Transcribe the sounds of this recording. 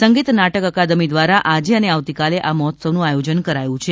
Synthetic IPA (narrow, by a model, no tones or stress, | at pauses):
səŋɡit̪naʈəkəkad̪əmid̪ʋaɾaʔad͡ʒeəneaʋt̪ikaleʔaməɦɔt̪səʋnũajod͡ʒənkəɾajũt͡ʃʰe